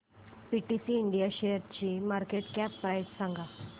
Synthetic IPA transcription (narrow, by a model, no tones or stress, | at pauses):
piʈisiːɳɖijaɕejəɾt͡ɕiːmaɾkeʈkapːɾajssãŋɡa